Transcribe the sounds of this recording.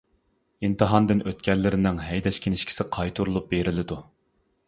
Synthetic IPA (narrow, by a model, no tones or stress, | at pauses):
int̪ɨɦɑnd̪ɪnʔøt̪kʲʰɛlːɪɾɪnɪŋɦɛjd̪ɛʃkʲʰenɪʃkʲʰi̥sɪqʰɑjt̪ʰuɾulˠup̚beɾɪlɪd̪u